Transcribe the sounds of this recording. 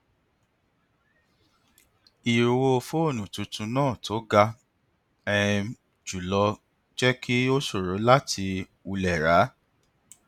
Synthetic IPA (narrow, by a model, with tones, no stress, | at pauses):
i˨ɾu˨wo˧fo˦o˦˨nũ˨tũ˨˧tũ˧nãː˦˨to˨˦ɡa˧ | ɛ˧ | d͡ʒu˨lɔ˧ | d͡ʒɛ˦kʰi˦o˦so˦˨ɾo˨˦la˦tʰi˧ | u˧lɛ˨ɾa˨˦